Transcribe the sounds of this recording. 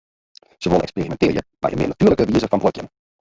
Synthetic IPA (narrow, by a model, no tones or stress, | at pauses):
z̥əʋolˠɛksperimɛntɪːrjə̰ma̰jə̰mɪ̰natyːərləkəʋiəzəfɑnbɔkjə̰n